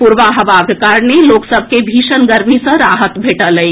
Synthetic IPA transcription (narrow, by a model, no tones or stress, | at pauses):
puɾʋaɦəʋaɡkaɾneloːksəbʱkebʱiːʃənɡəɾmisə̃ɾaɦət̪bʱeːʈələi